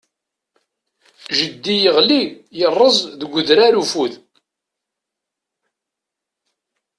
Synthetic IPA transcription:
ʒəd̪ːijəʁlijərˤːəzˤðəɡʷʊðɾaɾufuð

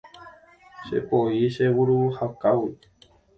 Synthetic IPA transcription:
ʃe̞̰poiʃewuɾuhakawi

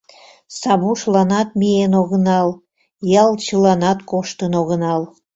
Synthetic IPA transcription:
sɑβuʃlɑnɑt̪̚mienoɣənɑl | jɑlt͡ɕəlɑnɑt̪koʃt̪ənoɣənɑl

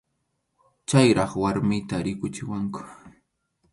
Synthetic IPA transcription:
t͡ʃajɾɑχwaɾmɪjt̪aɾɪkʊt͡ʃɪwaŋkʊ̥

